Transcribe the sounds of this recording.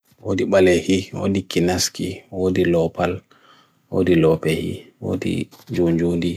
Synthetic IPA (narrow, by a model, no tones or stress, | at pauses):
woːdiɓalɛhiwo̰dikinaskiwoːdilɔpal | wo̰ːdilɔpɛhḭ | wo̰ːdḭd͡ʒod͡ʒondi